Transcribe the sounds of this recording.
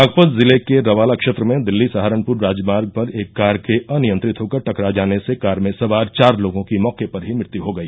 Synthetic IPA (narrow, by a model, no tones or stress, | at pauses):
aːɡpəd̪zɪlekeɾɐʋaːlakʃeːt̪ɾəmẽd̪ɪlːisaɦaːɾənpʊɾːaːd͡ʒmaːɾɡ̚pɐɾeːkːaːɾkeʔɐnɪjə̃nt̪ɾɪt̪ɦokɐɾʈɐkɾad͡ʒaːnesekaːɾmẽsɐʋaːɾt͡ʃaːɾloːɡõkimɔːkepɐɾɦimɪɽt̪iɦoɡɐiː